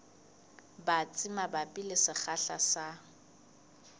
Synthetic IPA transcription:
bat͡sʼɪmabapʼilɪsɪχaɬasa

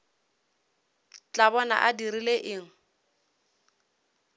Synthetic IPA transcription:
t͡ɬʼabɔna̰ʔadirileʔɪːŋ̩

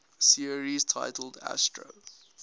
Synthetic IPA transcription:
siəɹiztʰa̰ɪtʰəl̩dæ̰stɹo̰

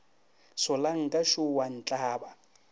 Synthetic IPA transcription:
sʊlaŋ̩kʼaʃʊwan̩t͡ɬʼaːba

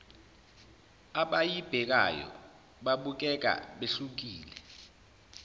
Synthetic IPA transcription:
aɓajib̥ʱɛk̬a̰jɔ̰ | ɓaɓuk̬ɛk̬a̰ɓeɬuk̬iːlɛ

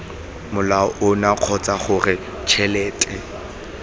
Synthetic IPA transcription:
mʊlaɔʔʊnaq͡χʰɔt͡saχʊrɪ | t͡ʃʰɛlɛːtʼɛ

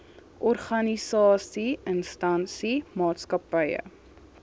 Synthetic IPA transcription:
ʔɔrχɐnisɑːsiənstɐnsimɑːtskɐpəjə̰

